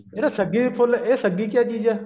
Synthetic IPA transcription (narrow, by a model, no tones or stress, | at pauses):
eɾasəɡipʰolesəɡiːkjaːɗiːd͡ʒaː